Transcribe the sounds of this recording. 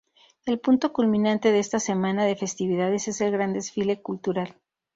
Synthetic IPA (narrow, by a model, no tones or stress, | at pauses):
e̞lpunt̪o̞kulmĩnãnt̪e̞ðeest̪ase̞mãnaðe̞fest̪iβ̞iðað̞e̞se̞se̞lɣɾand̪e̞sfile̞kult̪uɾal